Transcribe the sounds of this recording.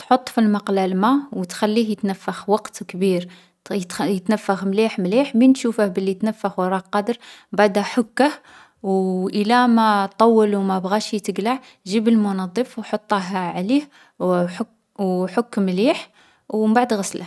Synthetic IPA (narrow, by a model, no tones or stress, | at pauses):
t̪ħot̪ˤːfilmɑqlælmawt̪xælːihjət̪nəfːəxwɑqt̪kbiɾ | t̪jət̪nəfːəxmliħmliħminʃufəhbəlːit̪næfːəxwɑɾˤɑqɑd̪əɾbaʕd̪æħʊkːəh | wʔəlæmæt̪ˤːɑwːəlwmæbɣæʃit̪əɡlaʕ | ʒibəlmʊnɑd̪ˤːəfwħot̪ˤːɑɦʕlih | ħ | wħokːmliħ | wmbaʕd̪ɣɑslə